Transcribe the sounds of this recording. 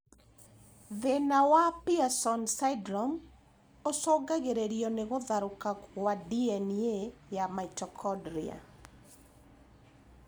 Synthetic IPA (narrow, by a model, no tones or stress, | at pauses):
ðenawapiasɔnsaidɾɔm | osɔɡaɣeɾeɾiɔneɣoðaɾokawadiɛniejamaitɔkʰɔdɾia̰